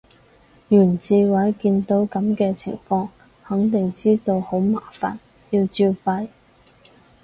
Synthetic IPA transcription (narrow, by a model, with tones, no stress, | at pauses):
jyː˨˩nt͡siː˧wɐ˨˥jkiː˧nt̪o˨˥wkɐ˨˥mkɛː˧t͡sʰɪ̰˨˩ŋfɔː˧ŋ | hɐ˨˥ŋt̪ɪ˨ŋt͡siː˥t̪o˧who˨˥wmaː˨˩fa̰ː˨˩n | jiː˧wt͡siː˧wpɐ˧j